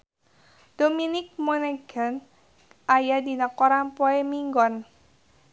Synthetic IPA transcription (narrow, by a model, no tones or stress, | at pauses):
d̪̥ominɪk̚mɔneɡ̥an | ʔajad̪i̤nakɔɾampɔemiŋɡɔn